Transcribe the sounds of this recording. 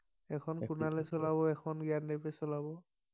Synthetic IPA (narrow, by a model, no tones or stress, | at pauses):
ɛkʰɔnkʊnalɛsɔlaβɔɛkʰɔnɡiandepɛsɔlabɔ